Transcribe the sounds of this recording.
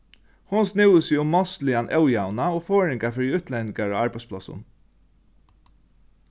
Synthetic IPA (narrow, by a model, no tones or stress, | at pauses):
hʊnsnɪwəsɪʊmːɔst̪lɪanʔɛwjawnaoːfɔːɹɪŋkafɪɾiʉːt̪lɛnɪŋkaɹa̰ːaɹpaɪspʰlɔ̰sʊ̰n